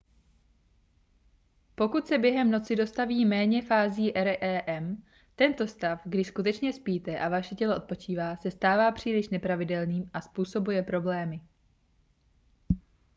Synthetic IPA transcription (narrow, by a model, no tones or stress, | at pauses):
po̞kut̪sɛbjɛɦɛmno̞t͡sɪdo̞st̪aviːmɛːɲɛfaːziːʔɛɾɛʔɛːʔɛm | t̪ɛnt̪o̞st̪afɡdɪskut̪ɛt͡ʃɲɛspiːt̪ɛʔavaʃɛcɛloʔo̞t̪̚po̞t͡ʃiːvaːsɛst̪aːvaːpr̝̥iːlɪʃnɛpɾavɪdɛlniːmʔaspuːso̞bujɛpɾo̞blɛːmɪ